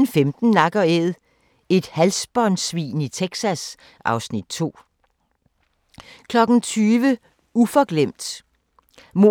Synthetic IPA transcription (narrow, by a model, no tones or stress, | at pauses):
n̩femd̥n̩ːɑ̈ɡ̥ɒeðˠ | e̝d̥hælsb̥ɒnsʋḭːnit͡sʰeɡ̥sæs | ʔɑ̈ʊsnid̥̚t͡sʰo̝̰ː | kʰlɒ̽ɡ̥n̩t͡sʰyːʋə | ufɒ̽ɡ̥lem̰d̥ | mo